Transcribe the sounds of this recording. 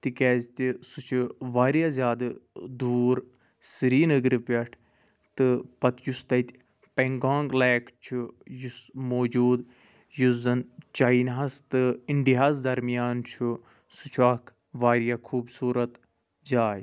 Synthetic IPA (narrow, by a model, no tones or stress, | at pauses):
t̪ikeːzt̪isut͡ʃʰuʋaːɾijaːzʲjaːd̪ɨd̪uːɾ | siɾiːnəɡɾɨpɐʈʰ | t̪ɨpɐt̪just̪ɐt̪ʲ | peŋɡãːŋɡleːkt͡ʃʰujusmoːd͡ʒuːd̪ | juzɐnt͡ʃainɦɐst̪ɨinʈ̪iɦaːzd̪ɐɾmijaːnt͡ʃʰu | sut͡ʃʰaːkʰ | ʋaːɾjakʰuːbsuːɾɐt̪ | zaːj